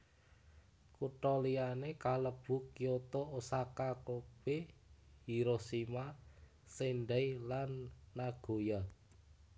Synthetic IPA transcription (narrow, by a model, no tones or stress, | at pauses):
kuʈɔlianekaləb̥ṳkijot̪ɔosakakob̥ehiɾosima | seɳɖɛilanːaɡ̥o̤ja